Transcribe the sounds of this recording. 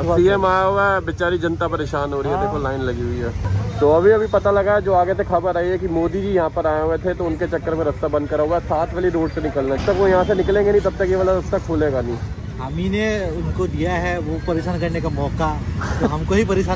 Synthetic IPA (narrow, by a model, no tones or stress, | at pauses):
iɛmaːɦuaɛbɪt͡ʃaːɾid͡ʒɐ̃nt̪apɐɾeːʃaːnɦoːɾiɦɛbekolːaːɪnlɐɡiɦʊiɦɛːt̪oɐbʱiɐbʱipɐt̪alɐɡaɛd͡ʒoːaːɡet̪ʰekʰabəɾaːiɛk̬imoːd̪id͡ʒijɐɦãpɐɾaːeɦʊet̪ʰet̪oʊnket͡ʃɐkːəɾmẽɾɐst̪abɐ̃nd̪̚kɐɾaɦuaɛsaːt̪ʰʋeliɾoːɖsenɪkəlnat̪ɐkʋojɐɦãsenɪklẽːŋɡenĩt̪ɐb̚t̪ɐkjeʋəːlaɾɐst̪akʰuːleːɡanĩː | ɦamineʊnkod̪ijaɦɛʋopɐɾeːʃaːnkɐɾnekamɔːkatoɦɐmkoɦipɐɾeːʃaː